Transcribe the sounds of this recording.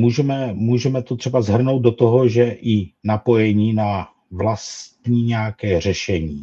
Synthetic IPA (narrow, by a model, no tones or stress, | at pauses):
muːʒɛmɛmuːʒɛmɛt̪ot̪r̝̥ɛbazɦr̩nowd̪do̞t̪o̞ɦo̞ʒɛʔɪnapo̞jɛɲiːna | vlast̪ɲiːɲɛakɛːr̝ɛʃɛɲiː